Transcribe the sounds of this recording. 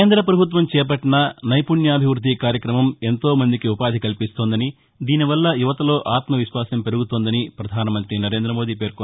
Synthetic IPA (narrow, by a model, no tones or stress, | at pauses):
eːnd̪ɾɐpɾɐbʱut̪̬ʋɐmt͡ʃɛːp̬ɐʈːinɐnɐjpuɳjɐːbʱiʋɾud̪ʱːikaːɾjɐkɾɐmɐme̞nt̪oːmɐnd̪ikiupaːd̪ʱikɐlipist̪oːnd̪ɐni | d̪iːniʋɐlːɐjuʋɐt̪ɐlo̞ːʔaːt̪mɐʋiʃʋaːsɐmpe̞ɾuɡut̪oːnd̪ɐnipɾɐd̪ʱaːnɐmɐnt̪ɾinɐɾe̞ːnd̪ɾɐmo̞ːd̪iːpe̞ːɾko